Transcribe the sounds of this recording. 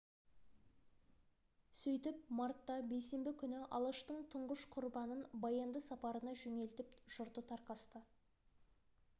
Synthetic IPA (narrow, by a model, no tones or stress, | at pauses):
sɵjt̪ɪp̚mɑɾt̪ːɑbe̞jse̞mbɪkʲʰʏnɪʔɑ̰lˠəʃt̪əɴt̪ʰʊɴʁəʃqʰʊɾbɑnənbɑjɑnd̪əsɑpɑɾənɑʒɵŋe̞lt̪ɪpʒ̥ʊɾt̪ət̪ʰɑɾqɑst̪ə